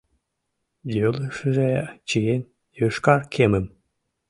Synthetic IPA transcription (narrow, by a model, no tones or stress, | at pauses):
jøləʃəʒet͡ɕiem | jøʃkɑrkʰemə̆m